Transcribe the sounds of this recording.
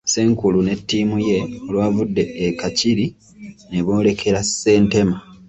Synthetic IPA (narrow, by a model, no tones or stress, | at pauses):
se̞ːŋkulune̞tːiːmuje̞olwaːvudːe̞ːkaciɾi | ne̞βo̞ːle̞kʰe̞ɾase̞ːnte̞ma